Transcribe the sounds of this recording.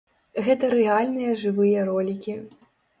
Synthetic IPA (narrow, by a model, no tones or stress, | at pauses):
ɣɛt̪ɐɾɛalʲnɨjɐʐɨvɨjɐɾɔlʲikʲi